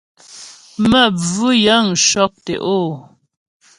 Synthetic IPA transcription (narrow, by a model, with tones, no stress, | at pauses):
mə˦˨b͡vʉ˦jə˨˦ŋ̩˨ʃɔ˦k̚tḛ˨ʔoː˦˨